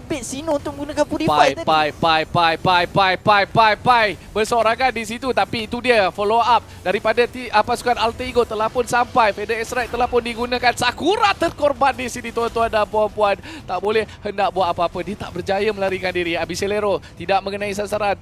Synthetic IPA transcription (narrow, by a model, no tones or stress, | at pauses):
pɪsinuunt̪ʊk̚mə̃ɡunakanpudipaajpajpajpajpajpajpapapajbərsoɾaŋandisit̪ut̪apiːt̪udiəfoloap̚daɾipadat̪iəpasu̥kanalt̪əiɡot̪əlahpʊnsampajfedəɛsɾak̚t̪əlahpʊndiɡunãkansakuɾat̪ərkorbandisidit̪uant̪uandampuanpuant̪aʔbolɛhhəndaʔ̚buat̪apaːpədiət̪a̰ʔbərd͡ʒajəməlaɾikandiɾiabiseleɾot̪idaʔ̚mə̃ŋənãis̬ansaɾan